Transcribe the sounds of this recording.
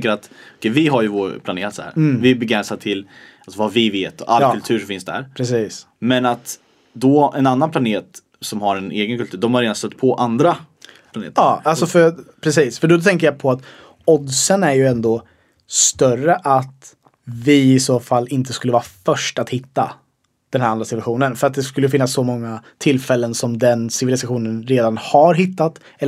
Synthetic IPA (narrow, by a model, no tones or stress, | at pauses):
ŋkəɾat̪ɔkʰɛjvɪɦaɾjɵvoːɾpʰlaneːɾat̪shæ̰ːɾvɪɛbɛɡɾɛnsad̪̚t̪ʰɪlasvavɪveːt̪ɔʔalːʰɵlt̪ʰʉ̟ːʂɔmfɪnsd̪æ̰ɾpʰɾɛsiːs | mɛnat̪ | d̪ɔɛnanːanpʰlaneːt̪ | sɔmhaɾɛneːɡənkɵlt̪ʉ̟ːɖ̪ɔmhaɾeːd̪ast̪œt̪ːpʰɔʔand̪ɾa | planḛːt̪əɑːalsɔfœpʰɾɛsiːsfœɖɔt̪ʰɛŋkəjapʰɔat̪ | ɔd̪sənæɾjɵɛnd̪o | st̪œrəʔat̪ | vɪɪsoːfalːɪnt̪əskɵləvɑːafœʂʈat̪hɪt̪ːa̰ | d̪̥ɛnhæːɾand̪ɾasɪt̪vaɧuːnənfœɾat̪̚d̪ɛskɵlːəjəfɪnːasːɔmɔŋːat̪ʰɪlfɛlːənsɔmd̪ɛnsɪvɪlɪsaɧuːnənɾeːd̪anhaɾɦɪt̪ːat̪ | ɛl